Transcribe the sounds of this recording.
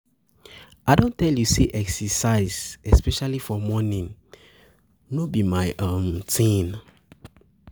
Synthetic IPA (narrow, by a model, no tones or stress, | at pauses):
aɪdõntːɛljuseʔɛksɛsaɪzɛspɛʃalifɔmɔnĩn | nobimaɪʔãmtĩn